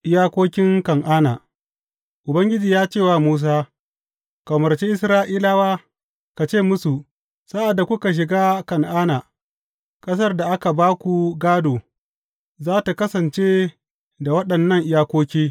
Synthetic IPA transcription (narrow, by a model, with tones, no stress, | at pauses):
ʔɪ˦jaː˦kʷoː˦kʲɪ˦ŋkɐ˨ŋʔaː˦na̰˨ | ʔʊ˨bɐ˦ŋɡʲɪ˦d͡ʒiː˨jaː˦t͡ʃeː˦˨waː˦˨muː˦s̬aː˦ | kɐ˨mɐ˨rt͡ʃe˦ʔɪ˦sɾaː˦ʔiː˦laː˦waː˦ | ka˨t͡ʃeː˦˨mʊ˦su˨ | sa˦ʔa˨dːa˨kʷʊ˦ka˨ʃ̬ɪ˨ɡaː˦kɐ˨ŋʔaː˦na˨ | kʼɐ˦s̬ɐ˦rda˨ʔa˦ka˨baː˦kʷu˨ɡaː˦doː˨ | zaː˦ta˨kɐ˦sɐ˨nt͡ʃeː˦ | da˨wɐ˦ɗɐ˨nːɐ˦ŋʔɪ˦jaː˦kʷoː˦kʲiː˦